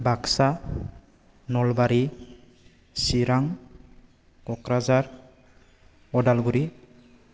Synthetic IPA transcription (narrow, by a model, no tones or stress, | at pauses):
baksa | nɔlbaɾi | siɾaŋ | kɔkɾazaɾ | ɔdalɡuɾi